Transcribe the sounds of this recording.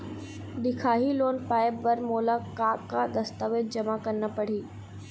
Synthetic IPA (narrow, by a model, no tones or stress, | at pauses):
d̪ɪkʰaːɦiloːnpaːɪbʋɐɾmoːlakaːkːad̪ɐst̪aːʋed̪̚d͡ʒɐmakɐɾnəpɐɽ̤iː